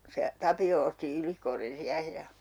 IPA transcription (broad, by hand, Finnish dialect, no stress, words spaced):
se tɑpio osti ylikorːin siæhe jɑ